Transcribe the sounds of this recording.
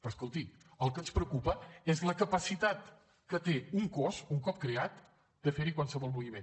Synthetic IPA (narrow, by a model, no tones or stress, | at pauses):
pəɾskulˠt̪i | əlˠkənspɾəkupəezləkəpəsit̪at̪ | kət̪euŋkozuŋkɔp̚kɾeat̪ | d̪əfeɾikwalˠsəβɔlˠmuβimen